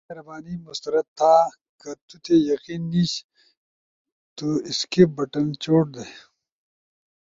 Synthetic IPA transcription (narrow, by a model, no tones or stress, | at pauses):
eɾɐbaːnimust̪ɐɾɐt̪ʰːaː | kɐt̪ut̪ʰejɐqiːnːiɕ | t̪uiskebɐʈɐnt͡ɕoːʈ̚d̪e